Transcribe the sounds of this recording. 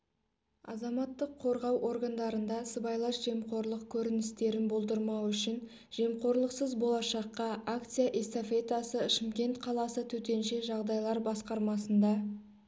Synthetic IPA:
ɑ̰zɑmɑt̪ːəqʰːo̞ɾʁɑwʔo̞ɾɡand̪ɑɾənd̪ɑsəbɑjlˠɑʃʒ̥e̞mqo̞ɾlˠəq̚kʲʰɵɾɪnɪst̪e̞ɾɪnbo̞lˠd̪əɾmɑwʏʃɪn | ʒ̥e̞mqo̞ɾlˠəqsəzbo̞lˠɑʃɑqːɑʔak̚t̪sɨjaʔest̪ofe̞t̪asəʃɪmkʲe̞nt̪qʰɑlˠɑsət̪ʰɵt̪e̞nʃe̞ʒɑʁd̪ɑjlˠɑɾbɑsqɑɾmɑsənd̪ɑ

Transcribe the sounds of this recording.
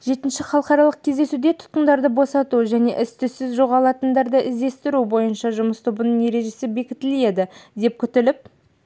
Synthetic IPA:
ʒe̞t̪ɪnʃɪχɑlˠəqɑɾɑlˠəq̚kʲʰe̞zd̪e̞sud̪e̞t̪ʰʊ̥t̪̚qənd̪ɑɾd̪əbo̞sɑt̪uʒæne̞̰ʔʏst̪ɪsɪzʒo̞ʁɑlˠɑt̪ənd̪ɑɾd̪əʔɪzd̪e̞st̪ɪɾubo̞jənʃɑʒʊməst̪ʰobənəɴne̞ɾe̞ʒe̞sɪbe̞kʲɪt̪ːɪle̞d̪ɪd̪e̞p̚kʲʰʏt̪ɪlɪp̚

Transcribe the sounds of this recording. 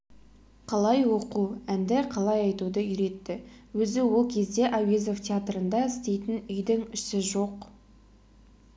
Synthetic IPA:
qʰɑlˠɑjwo̞quænd̪ɪqʰɑlˠɑjɑjt̪ud̪əʏjɾe̞t̪ːɪwɵzɪwolˠkʲʰe̞zd̪e̞ʔawezoft̪ʲeat̪ɾənd̪ɑɪst̪e̞jt̪ɪnʏjd̪ɪŋʏsɪʒo̞q

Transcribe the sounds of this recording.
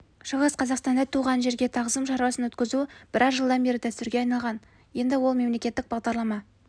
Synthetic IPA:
ʃəʁəsqʰɑzɑqst̪ɑnd̪ɑt̪ʰuʁɑnʒe̞ɾɡʲe̞t̪ʰɑʁzəmʃɑɾwɑsənwɵt̪kʲɪzub̥ɪɾʔɑzʒəlˠd̪ɑnbe̞ɾɪt̪ʰæpsɪɾɡʲeɑjnɑlˠʁɑn | je̞nd̪ɪwo̞lˠme̞mle̞kʲe̞t̪ːɪk̚b̥ɑʁd̪ɑɾlˠɑmɑ

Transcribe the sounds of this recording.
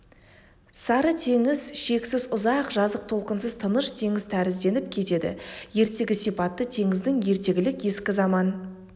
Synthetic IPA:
sɑɾət̪ʰe̞ŋɪzʃe̞ksɪzʊzɑqʒɑzəq̚t̪ʰo̞lˠqənsəzt̪ʰənəʃt̪ʰe̞ŋɪzt̪ʰæɾɪzd̪e̞nɪp̚kʲʰe̞t̪e̞d̪ɪ̰je̞ɾt̪e̞ɡʲɪsijpɑt̪ːət̪ʰe̞ŋɪzd̪ɪŋje̞ɾt̪e̞ɡʲɪlɪkje̞skʲɪzɑmɑn

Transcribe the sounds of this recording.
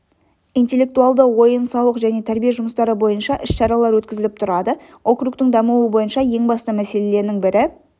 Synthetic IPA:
ijnt̪e̞lːe̞k̚t̪uɑlˠd̪əwo̞jənsɑwəqʒæne̞t̪ʰæɾbijeʒʊməst̪ɑɾəbo̞jənʃɑʔɪʃʃɑɾɑlˠɑɾwɵt̪kʲɪzɪlɪp̚t̪ʰʊɾɑd̪ə | o̞kruk̚t̪ɪŋd̪ɑmuwəbo̞jənʃɑje̞ŋbɑst̪əmæse̞le̞le̞ɾnɪŋbɪɾɪ

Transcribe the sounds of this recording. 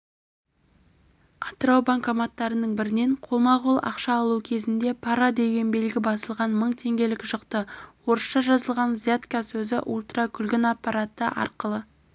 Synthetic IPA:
ɑt̪əɾɑwbaŋkɑmɑt̪ːɑɾənəɴbɪɾɪne̞ɴqʰolˠmɑʁulˠɑ̰qʃɑːlˠukʲʰe̞zɪnd̪e̞pʰɑɾad̪e̞ɡʲe̞nbe̞lɡʲɪbɑsəlˠʁɑnməɴt̪ʰe̞ŋɡʲe̞lɪkʒəqt̪əwo̞ɾəsʃɑʒɑzəlˠʁɑnzjat̪kasɵzɪʔulˠt̪rɑkʲʰʏlɡʲɪnɑpːɑɾat̪əʔɑ̰ɾqəlˠə

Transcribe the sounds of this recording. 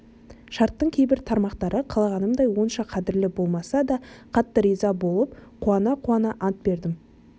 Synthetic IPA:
ʃɑɾt̪ːəɴkʲʰejbɪɾt̪ʰɑɾmɑqt̪ɑɾʔəqʰɑlˠɑʁɑnəmd̪ɑjwo̞nʃɑqʰɑd̪ɪɾlɪbo̞lˠmɑsɑd̪ɑqʰɑt̪ːəɾijzɑbo̞lˠəpqʰuɑnɑqʰuɑnɑʔɑnt̪̚be̞ɾd̪ɪm

